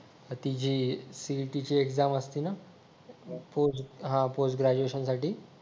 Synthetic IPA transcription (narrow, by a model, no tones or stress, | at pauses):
ət̪id͡ʑiːsiʈit͡ɕiːekd͡zaməst̪iːna | posɦãposʈɡɾad͡ʑueɕənsaʈiː